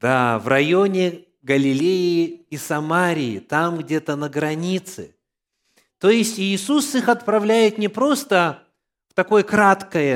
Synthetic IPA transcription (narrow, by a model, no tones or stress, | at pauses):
d̪̥avrɐjonʲɪ | ɡəlʲɪlʲejɪisɐmaɾʲɪjɪ̰t̪amɡdʲet̪ənəɡɾɐnʲit̪sɨ̰ | t̪o̞jɪsʲtʲɪːsusɨxɐt̪̚pɾɐvlʲæjɪt̪nʲɪpɾo̞st̪ə | ft̪ɐko̞jəkɾat̪kəjə